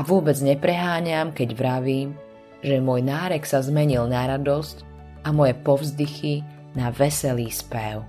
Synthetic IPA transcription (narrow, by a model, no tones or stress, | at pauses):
aʋʊɔbɛd͡zɲɛpɾɛɦaːɲamkɛɟʋɾaʋiːm | ʒɛmʊɔjnaːɾɛksazmɛɲilnaɾad̪ɔsc | amɔjɛpɔvzd̪ixi | naʋɛsɛliːspɛʊ